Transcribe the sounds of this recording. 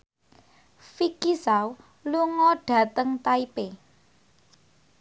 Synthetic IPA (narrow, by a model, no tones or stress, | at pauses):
fikisaw | luŋɔɖ̥ä̤t̪əŋt̪aipe